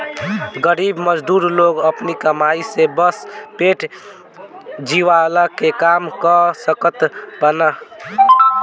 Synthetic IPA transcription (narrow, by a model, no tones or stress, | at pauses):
ɡəɾibməd͡ʒd̪uɾloɡəpnikəmaisebəspeʈ | d͡ʒiʋaləkekamkəsəkət̪bənə